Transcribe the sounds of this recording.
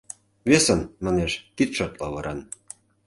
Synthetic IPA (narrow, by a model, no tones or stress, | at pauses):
βesənmɑneʃt̪it̪ʃot̪lɑβɤɾɑn